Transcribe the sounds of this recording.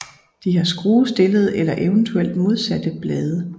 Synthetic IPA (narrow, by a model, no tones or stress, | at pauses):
d̥iɦɑ̈sɡ̥ʁuːsd̥e̝ləð̞̩ˠelɐʔe̝ʊənt͡sʰuel̰d̥mo̝ð̞ˠsæd̥əb̥lɛːð̞ˠə